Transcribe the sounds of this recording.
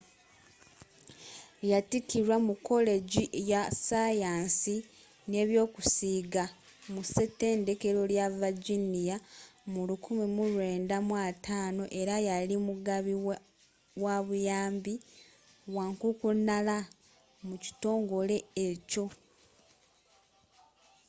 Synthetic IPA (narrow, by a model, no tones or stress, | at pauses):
jatikiɾwamukːo̞le̞ɟiʔjasajaːnsi | ne̞ːβjo̞ːkusiːɡa | muse̞te̞ːnde̞ke̞ɾo̞ljavaɟinijamulukumimuɾwe̞ːndamwatʰaːno̞ʔe̞ɾajalimuɡaβi | waβujaːmbi | waːŋkukunala | muci̥to̞ːŋɡo̞le̞ːco̞